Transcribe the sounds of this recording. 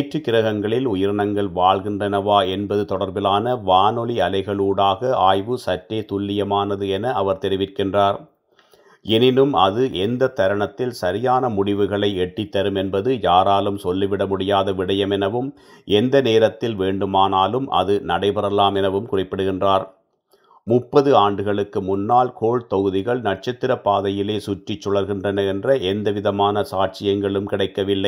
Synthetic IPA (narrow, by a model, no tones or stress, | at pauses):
ʈrɯkːɪɾɐɣɐŋɡɐɭɪlʊjɪɾɳɐŋɡɐɭʋaːɭɣɪndrɐnɐʋaːɛnbɐðɯt̪ɔɽɐɾbɪlaːnɐʋaːnɔɭiɐlɐɪɣɐɭuːɽaːɣɐaːjʋɯsɐʈɾeːt̪ʊɭːɪjɐmaːnɐðɯɛnɐːʋɐɾt̪ɛɾɪʋɪrkɪndraːɾ | ɛnɪnɯmɐðɯʔɛnd̪ɐt̪ːɐɾɐɳɐt̪ːɪlsɐɾɪjaːnɐmʊɽɪʋɯɣɐɭɐɪɛʈːit̪ːɐɾɯmɛnbɐðɯjaːɾaːlɯmsɔlːiʋɪɽɐmʊɽɪjaːðɐʋɪɽɐjɐmɛnɐʋɯm | ʔɛnd̪ɐneːɾɐt̪ːɪlʋeːɳɖɯmaːnaːlɯmʔɐ̰ðɯnɐɽɐɪpɐɾɐlaːmɛnɐʋɯmkʊrɪpːɐɽɯɣɪndraːɾ | mʊpːɐðɯaːɳɖɯɣɐɭɯkːɯmʊnːaːlkoːɭt̪ɔɣɯðɪɣɐɭnɐʈ̚t͡ʃɐt̪ːɪɾɐpːaːðɐjɪleːsʊʈrɪt͡ʃːɔɭɐɾɣɪndrɐnɐɛndrɐʔɛnd̪ɐʋɪðɐmaːnɐsaːʈ̚t͡ʃɪjɐŋɡɐɭɯmkɪɽɐɪkːɐʋɪlːɐɪ